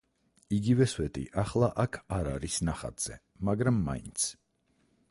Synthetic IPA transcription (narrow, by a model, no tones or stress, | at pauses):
iɡivɛswɛt̪ʼḭʔaχlˠaʔakʰaɾaɾisnaχa̰t̪z̥ɛ̰ | maɡɾamːa̰int̪sʰ